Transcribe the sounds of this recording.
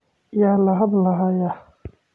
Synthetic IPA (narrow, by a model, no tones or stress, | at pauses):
jaːlɐɦɐd̪lɐɦaja